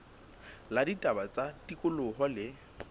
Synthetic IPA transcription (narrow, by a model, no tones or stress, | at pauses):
laditʼabat͡satʼikʼʊlʊɦɔlɪ